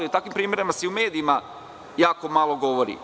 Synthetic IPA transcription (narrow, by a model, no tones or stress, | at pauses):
iut̪akʋimpɾiːme̞ɾimaseiume̞ːd̪iima | jaːko̞malˠoɡo̞ʋoɾḭ